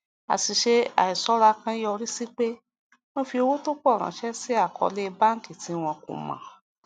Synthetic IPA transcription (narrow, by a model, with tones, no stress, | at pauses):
a̰˨si˧ʃe˦a̰˨i˨sɔ˨˦ɾa˧kã˦jɔ˧ɾi˦si˦k͡pe˦ | mõ˦fi˧o˧wo˦to˦k͡pɔ˦˨ɾ̃ã̰˨˦ʃɛ˦si˦a˦˨kʰɔ̰˧˦le˦˧ba˦ŋ̩˦ki˦˨ti˨˦w̃ɔ̃˧kṵ̃˨mã̰˨